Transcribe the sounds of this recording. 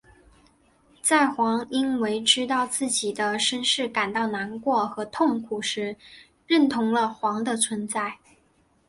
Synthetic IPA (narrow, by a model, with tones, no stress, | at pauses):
t͡sa˥˩ɪxwɑ˧˥ŋi˥nwe˧˥ɪʈ͡ʂɻ̩˥t̪ɑ˥˧ʊt͡sɹ̩˥˩t͡ɕi˨˩d̪ə˦ʂə˥nʂɻ̩˥˩ka˨˩nt̪ɑ˥˩ʊna˧˥nkwɔ˥˩xɤ˧˥t̪ʰʊ˥˩ŋkʰu˨˩ʂɻ̩˧˥ | ɻə˥˩nt̪ʰʊ˧˥ŋlə˧xwɑ˧˥ŋd̪ə˧t͡sʰwə˧˥nt͡sa˥˩ɪ